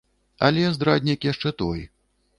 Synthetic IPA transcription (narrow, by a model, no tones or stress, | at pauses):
ɐ̰lʲɛzd̪ɾad̪ʲnʲikjaʂt͡ʂɛt̪ɔj